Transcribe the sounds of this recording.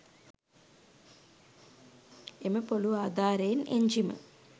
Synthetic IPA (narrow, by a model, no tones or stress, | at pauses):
emɐpoluaːd̪aːɾeːnʔeɲd͡ʒimɐ̰